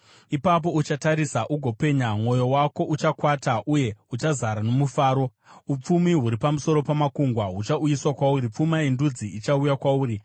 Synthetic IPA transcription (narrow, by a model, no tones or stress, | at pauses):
ipap̬o̞ut͡ʃataɾisaʔuɡʱo̞pe̞ːɲamwo̞jo̞wako̞ʔut͡ʃakwataʔuje̞ut͡ʃazaɾano̞mufaːɾo̞ | up͡fumiɦuɾipamuso̞ɾo̞pamakuŋɡwaɦut͡ʃaujiswakwaurip͡fumaindud͡ziit͡ʃaujakwauːɾi